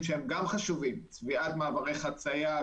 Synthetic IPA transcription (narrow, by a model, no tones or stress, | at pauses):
mʃehemɡamχaʃuvimt͡sviat̪maavaʁejχat͡saja